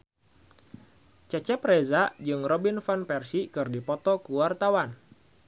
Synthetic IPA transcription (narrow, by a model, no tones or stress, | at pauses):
t͡ʃɛt͡ʃɛprezad͡ʒɨŋrɔbinfanpɛrsikɨrdipɔt̪ɔkuwart̪awan